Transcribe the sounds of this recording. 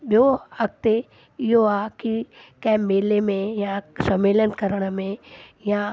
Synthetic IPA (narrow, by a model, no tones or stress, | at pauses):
ɓjoɐk̚t̪e | ɪɦoaːkikɐ̃ɦɛ̃meːlemẽjãsɐmeːlənkɐɾəɽ̃mẽjã